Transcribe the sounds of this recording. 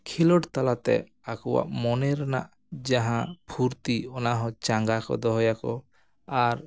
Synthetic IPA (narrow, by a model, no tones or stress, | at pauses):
kʰilɔʈt̪alat̪ɛ̰ | akɔwa̰ʔmɔnɛɾna̰ʔ | d͡ʒaɦãpʰuɾt̪iɔnaɦɔ̃t͡ʃaŋɡakɔ̰d̪ɔɦɔjakɔ | aɾ